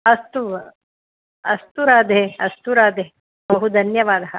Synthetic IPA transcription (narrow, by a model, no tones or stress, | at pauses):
ɐst̪uʋ | ɐst̪uɾaːd̪eeɐst̪uɾaːd̪e | bɐɦud̪ʱɐnjɐʋaːd̪ɐɦɐ